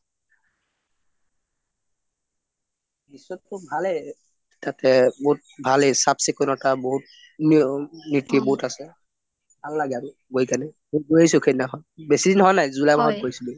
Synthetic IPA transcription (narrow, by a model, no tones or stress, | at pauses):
bisɔtːʊbʱalɛ | tatɛbout̚bʱalɛsapsekɔnɔtaboɦut̚ | nnitiboɦutasɛ | ballaɡan | ɡoikanɛmoɡojisʊkʰɛnnaɦɔjbesidinɦɔjnajzulajbaɦɔt̚ɡojisibɔ